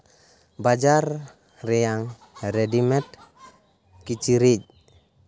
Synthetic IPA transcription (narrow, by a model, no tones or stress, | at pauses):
bad͡ʒar | rɛjaŋ | ɾɛdimɛt̪ | kit͡ʃiɾid͡ʒ